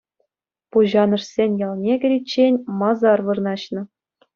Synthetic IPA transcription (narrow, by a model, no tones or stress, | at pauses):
puʑɑnɤ̆ʂsʲenʲjɑlˠnʲeɡʲɘ̆ɾʲit͡ɕːenʲmɑzɑrʋɤ̆rnɑɕnɤ̆